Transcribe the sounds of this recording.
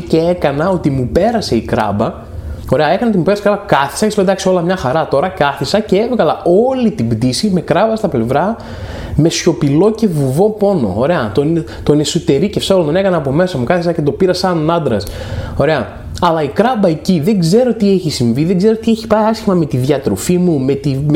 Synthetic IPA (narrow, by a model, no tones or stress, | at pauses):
ceekɐnɐo̞t̪imupe̞ɾɐse̞ikɾɐ̰bɐ | o̞ɾe̞ɐe̞kɐnɐot̪imupeɾɐse̥ikɾabɐkɐθi̥sɐcsiped̪ɐkso̞lɐmɲɐxɐɾɐt̪o̞ɾɐkɐθisɐce̞e̞vɣɐlɐo̞lit̪ibd̪isime̞kɾɐbɐst̪ɐple̞vɾɐ | me̞sço̞pilo̞ce̞vuvo̞po̞no̞̰oɾe̞ɐt̪on | t̪o̞nesut̪e̞ɾicefseolont̪onekɐnɐːpo̞me̞sɐmukɐθisɐce̞t̪o̞piɾɐsɐnɐnd̪ɾɐs | o̞ɾe̞ɐ | ɐlɐikɾɐbɐe̞ciðe̞ɡze̞ɾo̞t̪ieçisiɱviðe̞ŋɡze̞ɾot̪ieçi̥pɐiɐsçimɐme̞t̪iðʝɐt̪ɾo̞̰fimume̞t̪im